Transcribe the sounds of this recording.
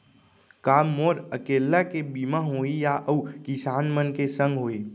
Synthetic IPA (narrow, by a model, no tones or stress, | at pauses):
kaːmːoːɾəkeːlːakebimaɦoːijaʔəkɪsaːnmənkesə̃ŋɡɦoːi